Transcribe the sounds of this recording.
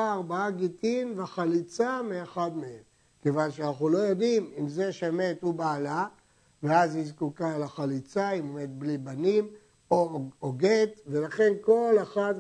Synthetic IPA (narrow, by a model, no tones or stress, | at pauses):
aːʁbaaɡit̪inveaχalit͡sameeχad̪meem | kevanʃeanaχulo̞jo̞d̪imimze̞ʃame̞t̪ubaːla | veazhizkukalaχalit͡saimomet̪̚blibanim | ooɡet̪ve̞laχe̞nko̞lexad̪